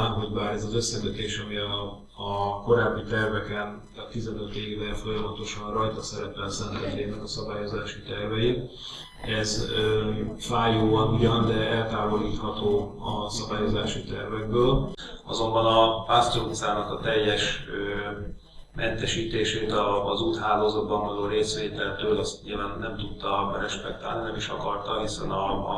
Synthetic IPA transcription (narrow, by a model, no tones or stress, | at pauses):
ɦo̞ɟbaːɾɛzɒzø̞sːɛɡøt̪eːʃɒmiɒː | ko̞ɾaːbːit̪ɛrvɛkɛn | ɒt̪izɛnø̞t̪eːɡvɛlfo̞jɒmɒt̪o̞ʃɒnrɒjt̪ɒsɛɾɛpɛlsɛnt̪ɛt̪ːeːnɛkɒsɒbaːjo̞zaːʃit̪ɛrvɛji | ɛz | faːjoːvɒnuɟɒnd̪ɛɛlt̪aːvo̞liːt̪hɒt̪oːɒsɒbaːjo̞zaːʃit̪ɛrvɛɡ̚bøːl | ɒzo̞mbɒnɒpaːst̪oot̪saːnɒkɒt̪ɛjːɛʃø | mʔɛnt̪ɛʃiːt̪eːʃeːt̪ɒzuːt̪haːloːzɒt̪̚bɒɱvɒloːɾeːsʋeːt̪ɛlt̪øːlɒst̪ɲiːlvaːnːɛmt̪ut̪ːɒbɛɾɛʃpɛk̚t̪aːlninɛmiʃɒ̰kɒrt̪ɒɦisɛ̰nɒ